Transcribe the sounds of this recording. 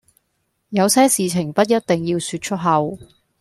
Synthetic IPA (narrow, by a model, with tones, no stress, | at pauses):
jɐ˨˧wsɛː˥siː˨t͡sʰɪ˨˩ŋpɐ˥t̚jɐ˥t̚t̪ɪ˨ŋjiː˧wsyː˧t̚t͡ʃʰɵ˥t̚ɦɐ˨w